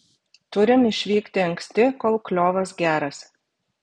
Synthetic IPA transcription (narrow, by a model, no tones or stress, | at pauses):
t̪ʊɾʲɪmɪʃʲʋʲiːkt̪ʲɪɐŋksʲt̪ʲɪkoːlˠklʲoːʋɐsɡʲæːɾɐs